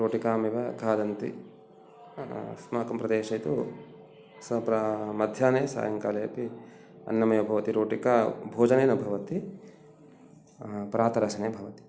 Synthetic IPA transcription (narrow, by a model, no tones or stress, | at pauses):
ɾoːʈikaːmiʋɐɡʱaːd̪ɐnt̪ḭ | smaːkɐmpɾɐd̪eːʃɐjt̪u | sɐpɾɐmɐd̪ʱjaːneːsa̰ːjɐŋkaːlɐjɐpi | ɐ̰nːɐmɐjɐbʱɐʋɐt̪iɾoːʈikaːbʱoːd͡ʒɐneːnɐbʱɐʋɐt̪i | pɐɾaːt̪ɐɾɐʃɐneːbʱɐʋɐt̪i̥